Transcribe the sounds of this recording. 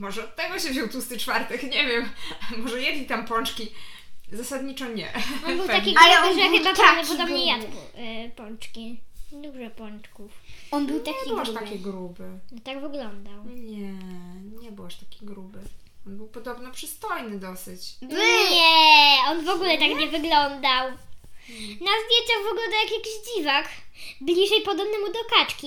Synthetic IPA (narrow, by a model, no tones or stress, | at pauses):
mɔʐɛɔt̪ːɛɡɔɕɛvʑuwt̪ust̪ɘt͡ʂfaɾt̪ɛxɲɛvʲjɛmmɔʐɛjɛd̪ʲɲʲit̪ampɔnt͡ʂkʲizasad̪ɲit͡ʂɔɲɛ̰ɔbɨwt̪akʲialɛɔnzavʲɛat̪avd̪ɔpɔd̪ɔbɲɲɛjad̪bupɔnt͡ʂkʲid̪uʐɛpɔnt͡ʂkufɔnbɨwt̪aɲkɛbiɨwaʃt̪akʲeɡɾubɘnɔt̪aɡvɘɡlɔnd̪awɲɛɲɛbɨwaʂt̪ḁkʲeɡɾubɘ | ɔnbɘwpɔd̪ɔbnɔpʂɨst̪ɔjnɘd̪ɔsɘt͡ɕbɲɛɔnvɔɡulɛt̪akɲɛvɘɡlɔnd̪aw | nazd̪ʲjeɲt͡ɕaɣvɨɡlɔnd̪awjakjakʲiʑd͡ʑivakblʲiʐɛjpɔd̪ɔbnɨmud̪ɔkat͡ʂkʲi